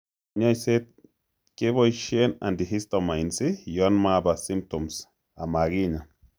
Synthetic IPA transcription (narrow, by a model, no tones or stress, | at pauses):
ɲajset̪̚ | keβojʃena̰nd̪iɦist̪omajnsijonmabasimpt̪oms | amaɡiɲa